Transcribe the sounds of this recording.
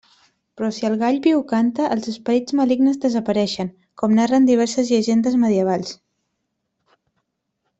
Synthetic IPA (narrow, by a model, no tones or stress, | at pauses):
pɾɔsiəlˠɣaʎβiwkant̪əʔəlˠzəspəɾid͡zməliɡnəzðəzəpəɾɛʃəŋ | kɔmnarənd̪iβ̞ɛɾsəzʎəʒend̪əzməðiəβ̞alˠs